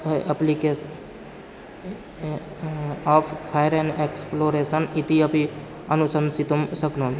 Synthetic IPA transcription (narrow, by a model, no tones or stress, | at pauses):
ɐplikes | aːpʰpʰajɾẽneksploːɾeːsənit̪iɐpi | ɐnusənsit̪umsəknoːn